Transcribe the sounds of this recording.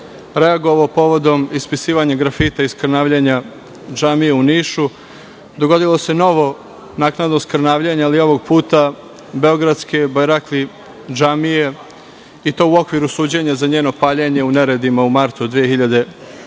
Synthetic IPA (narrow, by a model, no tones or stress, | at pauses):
ɾe̞aɡo̞ʋaopo̞ʋo̞d̪o̞mispisiːʋaɲaɡɾafit̪aiskɾnaːʋʎeɲa | d͡ʒamije̞uniːʃu | d̪o̞ɡo̞d̪ilˠo̞se̞no̞ʋo̞ | naknad̪noskɾnaːʋʎeɲaːlio̞ʋo̞ɡ̚puːt̪a | be̞o̞ɡɾad̪ske̞bajɾakli | d͡ʒamije̞ | it̪o̞ːuo̞kʋiɾusuːd͡ʑe̞ɲazaɲeːno̞paːʎeɲe̞une̞ɾe̞d̪imaumaɾt̪ud̪ʋijexiʎad̪e̞